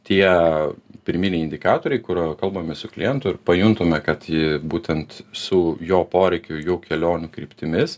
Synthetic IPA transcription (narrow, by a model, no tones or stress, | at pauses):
t̪ʲiɛ | pʲɪɾʲmʲinʲɛɪɪnʲd̪ʲɪkɑːt̪oːɾʲɛɪkʊɾkɐlˠbɐmʲɛsʊklʲɪ̰jɛnt̪ʊɪɾpɐjʊnt̪ʊmʲɛkɐt̪jɪbuːt̪ʲɛnt̪sʊjoːpoːɾʲɛɪkʲʊjuːkʲɛlʲoːnʲʊkɾʲiːpʲt̪ʲɪmʲɪs